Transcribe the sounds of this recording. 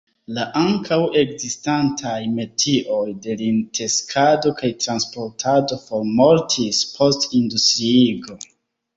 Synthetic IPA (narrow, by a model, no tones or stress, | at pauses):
laʔaŋkʰawe̞ɡzistantʰajme̞tʰiʔo̞jde̞lintʰe̞skʰado̞kajtɾanspo̞ɾtʰado̞fo̞ɾmo̞ɾtʰispʰo̞stindustɾiiɡo̞